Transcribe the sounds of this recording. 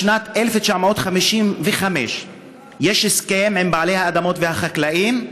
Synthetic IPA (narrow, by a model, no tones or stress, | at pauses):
nat̪ʔelefet͡ʃaʕmaot̪χamiʃimveχame̞ʃ | je̞ʃeskemembaʕale̞jhaːd̪amo̞tvehaχaklaʔim